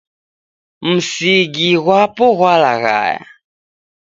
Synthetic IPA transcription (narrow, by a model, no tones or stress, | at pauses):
m̩siɡiɣwapuɣwalaɣa̰ja̰